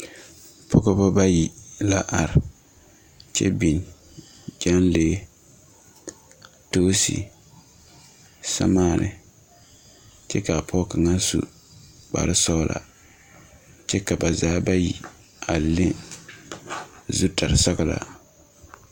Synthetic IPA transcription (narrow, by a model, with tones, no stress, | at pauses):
pʰɔ˦ko˦bɔ˦ba˦ji˨la˦ʔa˨ɾɪ˨ | t͡ʃɛ̰˦bi˨n | d͡ʒa˦nleː˦ | toː˦sḭ˨ | sa̰˦maː˦˨nɪ̰˨ | t͡ʃɛ˦ka˨pʰɔ˦ka˨ŋa˦sṵ˨ | k͡pa̰˨ɾɪ˦sɔ˦lʔa̰˨ | t͡ʃɛ˦ka˨ba˨zaː˦ba˦ji˨ | a˨le˦ | zu˦ta˨ɾɪ˨sa˦ɣa˦la̰˨